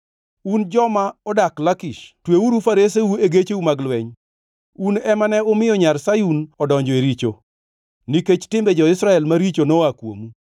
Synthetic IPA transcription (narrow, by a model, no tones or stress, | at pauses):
und͡ʒɔmaɔdaklakiʃtweuɾufaɾes̬ewueɡet͡ʃeumaɡlwɛɲ | unɛmanɛomɪjɔɲarsajunɔdɔɲd͡ʒɔeɾit͡ʃo | niket͡ʃtɪmbɛd͡ʒɔɪsɾaɛlmaɾit͡ʃonɔakwo̰mu